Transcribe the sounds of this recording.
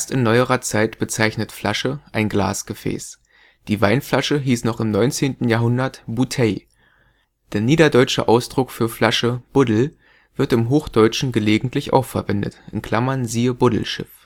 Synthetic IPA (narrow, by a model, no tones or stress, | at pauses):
ʔeːɐstɪnːɔʏəʁɐt͡saɪtb̥ət͡saɪçnətflaʃəʔaɪnɡla̰ːsɡ̥əfɛ̰ːs | d̥iːvaɪnflaʃəɦiːsnɔχɪmnɔʏnt͡seːntn̩jaːɐɦʊndɐtb̥utʰɛ | d̥eːɐniːdɐdɔʏt͡ʃə̰ʔaʊsd̥ʁʊkfyːɐflaʃəb̥ʊdl̩ | v̥ɪɐtɪmɦoːxd̥ɔʏʃn̩ɡəleːɡŋ̩tʰlɪçʔa̰ʊxfɛɐvɛndə̰tʔɪnkl̥amɐnziːəbʊdl̩ʃɪ̰f